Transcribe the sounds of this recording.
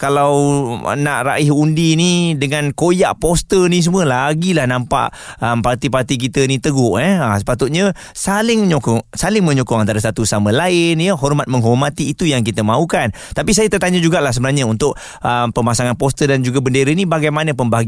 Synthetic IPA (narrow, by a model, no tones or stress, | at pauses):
kalawə̰na̰ʔɾa̰ʔɪhundinidəŋankojaʔpost̪ənĩs̬əmwəlaɡilahnampa̰ʔəmpart̪ipart̪ik̬it̪ənit̪əɡʊʔɛəsə̥pat̪ʊt̪̚ɲə | salɪŋɲokɔŋsalɪŋmə̃ɲɔkɔŋant̪aɾasat̪usamə̃laɪnjəɦɔrmat̪̚məŋɦormat̪iːt̪ujaŋkit̪əmaukan | t̪apis̬ajat̪ət̪aɲad͡ʒuɡaʔlahs̬əbənahɲãunt̪ʊʔ | əmpəmasaŋanpɔst̪ədand͡ʒuɡabəndeɾənibaɡajmanə̃pəmbaɦaɡ